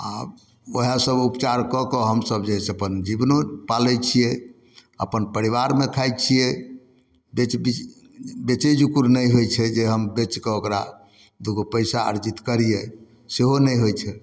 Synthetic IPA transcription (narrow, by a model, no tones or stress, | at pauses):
a | oɦasəbupt͡ʃaɾkɔkɔɦəmsəbd͡ʒeɦsəpənd͡ʒibnopalɛt͡ʃʰijɛ | əpənpəɾiʋaɾmekʰajt͡ʃʰijɛ | bet͡ʃbi | bet͡ʃed͡ʒukuɾnəjɦojt͡ʃʰɛd͡ʒeɦəmbet͡ʃkeokɾa̰ | d̪uɡopəjsaə̰ɾd͡ʒit̪kəɾije | seɦonɛjɦojt͡ʃʰɛ